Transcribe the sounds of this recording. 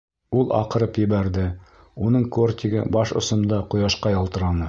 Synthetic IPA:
ulˠʔɑ̰qɤ̆ɾɤpjɘ̆βæɾd̪ɘ | unɤɴkort̪ʲiɡɘ̰bɑʃŏ̰sɤ̆md̪ɑqŏjɑʃqɑjɒlˠt̪ɤ̆ɾɑnɤ

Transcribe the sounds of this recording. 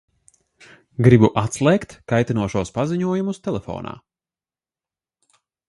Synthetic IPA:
ɡɾibuʔat̪slˠɛːkt̪kajt̪inuɔʃuɔspaziɲuɔjumust̪ɛlˠɛfɔ̰ːna̰ː

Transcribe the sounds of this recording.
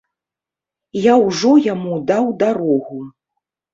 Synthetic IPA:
jawʐɔjamud̪awd̪aɾɔɣu

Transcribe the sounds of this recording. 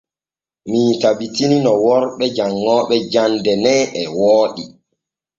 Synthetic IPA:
mitabitininɔwɔɾɓɛd͡ʒaŋːɔːɓɛd͡ʒandɛnɛʔɛwɔːɗi

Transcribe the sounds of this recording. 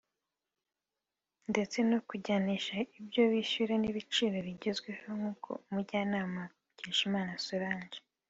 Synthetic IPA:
nde̞t͡se̞no̞kuɟaniʃaibɟo̞βiɕuɾeniβit͡ʃiːɾo̞βiɟe̞zɡwehoŋ̥uːkʰo̞̰muɾɟaːnaːma | ɟeːʃimaːnasuɾaːɲʒe

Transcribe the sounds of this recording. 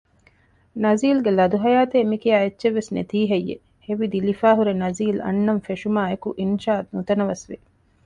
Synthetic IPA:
nɐziːlɡelɐd̪uɦɐjaːt̪eːmikijaːetːʃeʋːesnḛt̪iːɦɐjːḛ | heʋid̪ilifaːɦuɾenɐziːlɐ̰nːɐmfeʃumaːekuʔinʃaːɐt̪nut̪ɐnɐʋɐsʋi

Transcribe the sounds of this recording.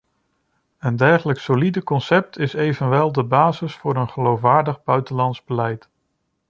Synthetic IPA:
əndɛɹχələksolidəkɔnsɛp̚tʰɪsejvənʋɛlˠdəbaːzɪsfʊːɾənχəlowfʋaːɹdəχbœɥtənlɑnzbəlɛjt

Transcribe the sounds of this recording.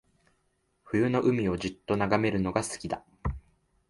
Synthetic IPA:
ɸɯ̟jɯ̟no̞ʔɯ̟mʲio̞ʑɨt̪ːo̞naɡame̞ɾɯ̟no̞ɡasɨ̥kʲid̪a

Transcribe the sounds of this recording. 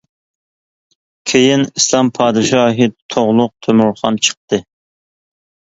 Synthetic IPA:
kʲʰejinislˠɑmpʰɑːd̪ɨʃɑːɦit̪ʰoʁlˠʊq̚t̪ʰømuɾχɑnt͡ʃʰə̥q̚t̪ɨ

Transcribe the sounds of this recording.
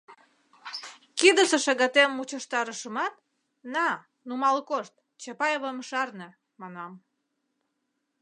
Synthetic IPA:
kid̪əsə̆ʃɑɣɑt̪emːut͡ɕəʃt̪ɑɾəʃəmɑt̪̚ | nɑ | numɑlkoʃt̪̚ | t͡ɕɑpɑjeβəmʃɑrnə | mɑnɑm

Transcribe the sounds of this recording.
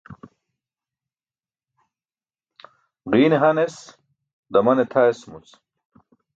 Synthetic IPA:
ʁiːneɦɐnes | d̪ɐmɐnet̪ʰaesmut͡s

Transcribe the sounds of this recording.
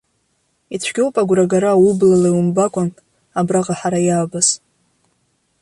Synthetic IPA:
it͡ɕʷʰɡʲowpʼaɡʷraɡaɾaːwublalajwumbakʷʼantʼ | abraqʼaħaɾajaːbaz

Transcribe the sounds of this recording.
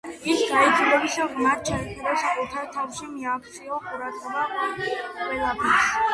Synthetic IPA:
isɡait̪ʰilɛbisaʁmaɾt͡ʃʰak̪ʰʼiɾasakʼɛt̪ʰaɾt̪ʰafʃimiakʰt̪sʰʼiɔqʼuɾad̪ʁɛba | qʼwɛlˠapʰɛɾs

